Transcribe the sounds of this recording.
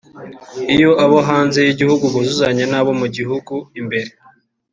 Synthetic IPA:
ijo̞ʔaβoɦaːnzejiɟihuɡuβuzuzaɲanaːβo̞muɟiɦuɡuimbe̞ɾe

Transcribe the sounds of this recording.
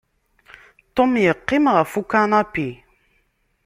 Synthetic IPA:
t̪omjəqːimʁafukanapi

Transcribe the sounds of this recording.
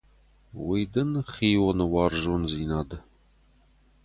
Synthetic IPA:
wijd̪ɐnχiːwɔnɨwɑːrʒonziːnaːd̪ɐ

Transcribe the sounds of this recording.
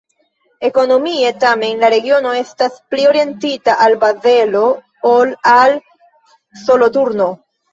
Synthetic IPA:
e̞ko̞no̞mie̞tame̞nlaɾe̞ɡio̞no̞e̞stasplio̞ɾie̞ntitaʔalbaze̞lo̞ | olal | so̞lo̞tuɾno̞

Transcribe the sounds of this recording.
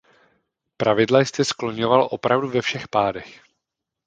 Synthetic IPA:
pɾavɪdlajst̪ɛsklo̞ɲo̞valʔo̞pɾavduvɛfʃɛxpaːdɛx

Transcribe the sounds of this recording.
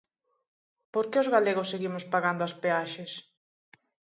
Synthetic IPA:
poɾkeozɣaleɣʊsːeɣimospaɣand̪ʊaspeaʃes

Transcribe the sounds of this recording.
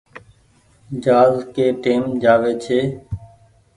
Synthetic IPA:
d͡ʒaːzkeːʈeːmd͡ʒaːʋeːt͡ʃʰeː

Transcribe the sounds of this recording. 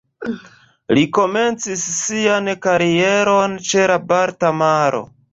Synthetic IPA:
liko̞me̞nt͡sisːiankaɾie̞ɾo̞nt͡ʃe̞labaɾtamaɾo̞̰

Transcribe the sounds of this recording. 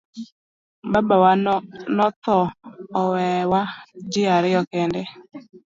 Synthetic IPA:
babawanɔt̪ɔːwɛwad͡ʒɪaɾɪɔkɛndɛ

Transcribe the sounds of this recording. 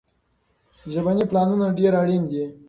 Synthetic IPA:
ʒabaniplɑnunaɖeɾaɽind̪i

